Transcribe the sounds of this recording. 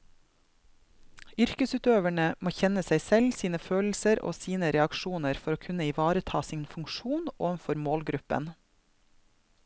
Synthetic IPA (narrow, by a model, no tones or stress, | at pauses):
ʏɾkəsʉːt̪øːʋæɳəmoːçɛnəsæɪsɛlsiːnəføːll̩səɾo̰ːsiːnəɾɛɑkʃuːnəɾfɔɾoːkʰʉnəiʋɑːɾət̪ʰɑːsinfʉŋkʃuːno̰ːenfɔɾmoːlɡɾʉpə̰n